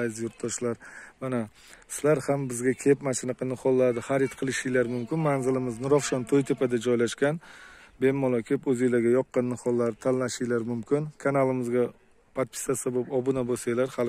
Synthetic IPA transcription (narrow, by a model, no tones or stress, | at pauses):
azjʊɾt̪̚d̪ɒʃlaɾmana | sɪlaɾhambɪzɡʲakʲʰe̞pmat͡ʃɪnɨqʰɨnɪχɒlˠːaɾd̪ɪχaɾɪt̪qʰɨlˠɪʃɪjlaɾmʊmkʲɪnmanzɪlɪmɪznɪɾɒfʃɒnt̪ʰojt̪ʰepad̪ad͡ʒɒjlaʃkʲanbe̞mːɒlˠɒkʲʰɪpɵzejlaɡʲajɒqːɑnːɪχɒlˠːaɾt̪ʰanlaʃɪjlaɾmʊmkʲʰɪnkʰanalˠɪmɪzɡʲa | pʰat̪̚pʰɪ̥sasabopɒbʊnabosajlaɾhal